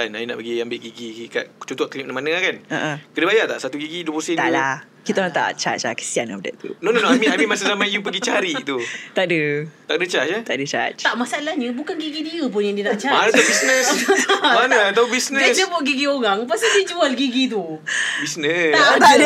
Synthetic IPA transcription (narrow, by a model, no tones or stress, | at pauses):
kanajuna̰ʔpəɡiambɪʔɡiɡika̰ʔt͡ʃot̪ɔʔt̪liʔnamanəakanə̰ʔəkədəbajat̪a̰ʔsat̪uɡiɡidupusət̪ala | kit̪aat̪a̰t͡ʃa̰t͡ʃakə̥siana̰p̚da̰ʔt̪ṵnɔnonamĩamĩmasəzamajup̬əɡit͡ʃaɾit̪ut̪aʔdət̪aʔdət͡ʃat͡ʃət̪aʔdət͡ʃa̰t͡ʃ̪aʔmasaalahɲəbukanɡiɡidiəp̬ʊnjaŋdiənaʔt͡ʃamanat̪abisnə̃sanəat̪aubisnəsdəboʔɡiɡioɣaŋpasisid͡ʒualɡiɡit̪u | bisnəat̪ad